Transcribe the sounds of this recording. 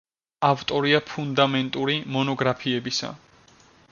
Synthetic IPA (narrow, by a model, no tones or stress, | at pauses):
aft̪ʼɔɾiapʰund̪amɛnt̪ʼuɾimɔnɔɡɾapʰiɛbisa̰